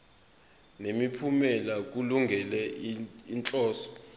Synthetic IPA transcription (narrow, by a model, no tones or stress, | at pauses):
nemipʰumɛlak̬uluŋɡʱɛlɛint͡ɬʼɔːsɔ̥